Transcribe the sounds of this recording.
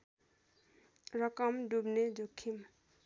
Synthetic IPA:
rʌkʌmɖubned͡zokʰːim

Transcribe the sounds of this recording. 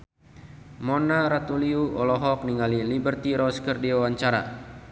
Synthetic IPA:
mɔnaɾat̪uliuʔɔlɔɦɔk̚niŋalilibərt̪iɾɔskərdiwawaɲt͡ʃaɾa̰

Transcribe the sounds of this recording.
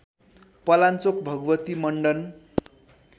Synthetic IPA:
pʌlant͡sokbʱʌɡwʌt̪imʌɳɖʌn

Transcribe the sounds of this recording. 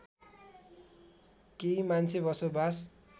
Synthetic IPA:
kejmant͡sʰebʌsobʱas

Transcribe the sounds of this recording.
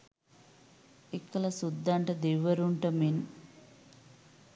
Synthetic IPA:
ekːɐlɐsud̪ːaɳʈɐd̪iʋːɐɾuɳʈɐmin

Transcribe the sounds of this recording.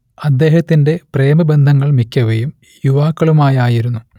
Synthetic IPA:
ɐd̪ːe̞ːhɐt̪ːinde̞preːmɐbend̪ʱɐŋːɐɭmikʲːɐʋejum | juʋaːkːɐɭumaːjaːjiɾunːu

